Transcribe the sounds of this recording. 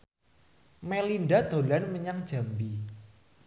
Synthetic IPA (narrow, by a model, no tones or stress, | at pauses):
melinɖad̪̥o̤lanməɲaŋd̥ʒ̥a̤mbi